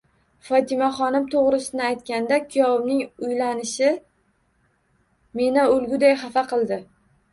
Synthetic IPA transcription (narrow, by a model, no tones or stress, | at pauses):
fɒt̪ʰɪmaχɒnɪmt̪ʰoʁɾɪsɪnɪajt̪kʲand̪akʲʰɪjɒbnɪŋʊjlanɪʃɪ | me̞naʊlɡʲʊd̪ajχafaqɨlˠd̪ɪ